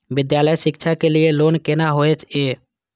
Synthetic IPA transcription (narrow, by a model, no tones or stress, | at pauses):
ʋɪd̪jaːləjʃɪkʃʰakelɪeloːnkenaɦoːet͡ʃeː